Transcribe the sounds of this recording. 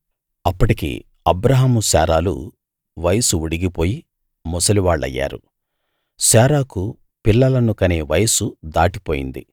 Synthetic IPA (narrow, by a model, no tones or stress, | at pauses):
ɐpːɐʈikḭ | ɐbɾɐɦaːmusa̰ːɾaːlṵ | ʋɐjɐsuuɽiɡipo̞ːji | mɔsɐliʋaːɭːɐ̰jːa̰ːɾṵ | saːɾaːku | pilːɐlɐnukɐneːʋɐjɐsud̪aːʈipoːjḭnd̪ḭ